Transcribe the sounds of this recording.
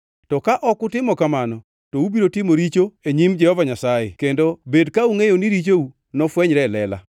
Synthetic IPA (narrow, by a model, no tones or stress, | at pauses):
tɔkaʔɔkʊtɪmɔkamanɔ | toubiɾotɪmoɾit͡ʃoeɲimd͡ʒɛhɔvaɲasajḛkendobedkauŋejoniɾit͡ʃou | nɔfwɛɲɾɛlɛla̰